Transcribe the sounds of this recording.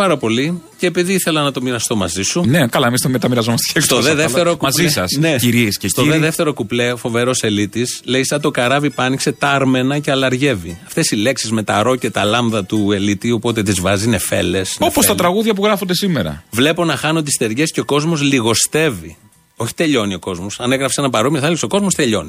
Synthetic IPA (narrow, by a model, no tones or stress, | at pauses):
pɐɾɐpo̞liceːpiðiiθe̞lɐnɐt̪o̞miɾɐst̪o̞mɐzisunekɐlɐemist̪omet̪ɐmiɾɐzomɐst̪ekst̪oðeðeft̪eɾokuɐzisɐsneiɾiesestt̪oðeðeft̪e̞ɾo̞kupleofo̞ve̞ɾo̞se̞lit̪isleisɐt̪o̞kɐɾɐvipɐnikse̞t̪ɐɾme̞nɐceɐlɐɾʝe̞viɐft̪e̞sile̞ksizme̞t̪ɐɾo̞cet̪ɐlɐmðɐt̪ue̞lit̪iopo̞t̪e̞t̪izvɐzine̞fe̞̰lesnofpost̪ɐt̪ɾɐɣuðʝɐp̬uɣɾɐfond̪esimeɾɐ̰vle̞po̞nɐxɐno̞t̪ist̪e̞ɾʝe̞sceo̞ko̞zmo̞zliɣo̞st̪e̞vi | o̞çi̥t̪e̞ʎo̞nio̞ko̞zmo̞sɐneɣɾɐfesenɐpɐɾomiɐθɐlikso̞ko̞zmo̞st̪e̞ʎo̞̰ni